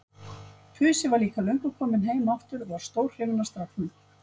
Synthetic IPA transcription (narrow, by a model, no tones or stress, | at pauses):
pʰʏːsɪvaɾliːkalœɥŋ̥kʏkʰɔːmɪnɦejmaft̪ʏɾvaɾ̥st̪owɾ̥hevʏnːast̪ɾafnʏ